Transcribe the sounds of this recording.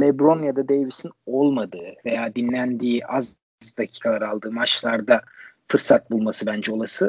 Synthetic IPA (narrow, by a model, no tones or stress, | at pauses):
lʲɛbɾo̞njad̪ad̪ejvisinolˠmad̪ɯːve̞jaːd̪inlʲænd̪iːaz | d̪acʰi̥ːkʰalˠaɾalˠd̪ɯːmat͡ʃlˠaɾd̪afɯɾsat̪̚bulˠmasɯbænd͡ʒɛo̞lˠasɯ